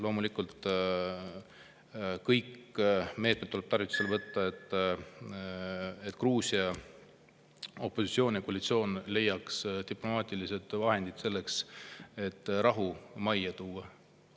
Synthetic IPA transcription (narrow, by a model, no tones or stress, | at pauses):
lo̞ːmulikˑult̪ˑ | kɤjkːme̞ːt̪met̪ːuleb̥̚t̪ɑrvit̪ːˑu̥se̞lvɤt̪ːɑet̪ːˑ | et̪ːˑkruːsiɑ | o̞pːˑosit̪sio̞ːnjɑkoɑlit̪sio̞ːnle̞jːɑkst̪iplo̞mɑːt̪ʲˑilise̞d̪̥vɑɦe̞nd̪id̪̥se̞lːe̞kse̞t̪ːɾɑɦumɑjɑt̪uːɑ